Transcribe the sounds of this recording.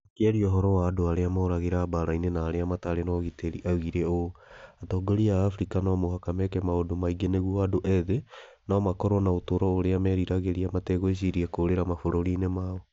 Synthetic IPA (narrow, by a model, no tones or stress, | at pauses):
akeaɾiɔɦɔɾɔwaːdoaɾeamɔɾaɣeɾaːbaɾainenaːɾeamataɾenɔɣiteɾiʔauɣiɾɛoatɔːɡoɾiaːfɾikanɔmohakamɛkɛmaodomaiɡeneɣuadoʔɛðe | namakɔɾɔnaotoɾɔoɾeamɛɾiɾaɣeɾiamatɛɣoeɕ̬iɾiakoːɾeɾamafoɾoɾinemaɔ